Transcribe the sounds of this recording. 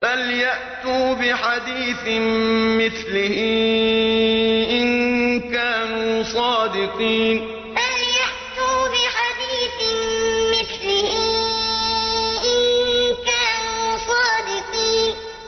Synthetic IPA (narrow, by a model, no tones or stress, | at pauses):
baljaʔt̪uːbɪħad̪iːθmɪθlɪhɪ | ʔɪnkaːnuːsˤɑːd̪ɪqiːn | baljaʔt̪uːbɪħad̪iːθ | mɪθlɪhɪ | ʔɪnkaːnuːsˤɑːd̪ɪqiːn